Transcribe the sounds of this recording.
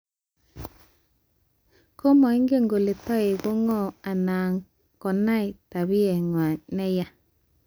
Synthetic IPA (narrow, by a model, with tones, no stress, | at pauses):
ko˦mɔ˨i˦ŋɡe˦˨ŋɡo˨le˨tɔ˦e˨bo˦ŋɔ˦˨a˨na˨ŋ | kɔ˨na˦i˨ta˨βi˦ɛ˨ŋwa˨nɛ˦ja˦